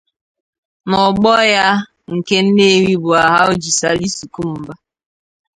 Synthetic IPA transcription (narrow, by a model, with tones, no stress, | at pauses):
nɔ˨ɡ͡bɔ˦ja˦ | ŋ̩˨ke˦n̩˦ne˦˨ɾi˦bʊ˨a˨ɦa˦o˦d͡ʒi˨sa˦li˦su˨ku˦m̩˨ba˦